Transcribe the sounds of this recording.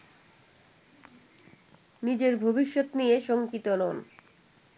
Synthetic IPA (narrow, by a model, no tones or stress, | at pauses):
nid͡ʑeɾbʱobiʃːot̪nijeʃoŋkit̪olon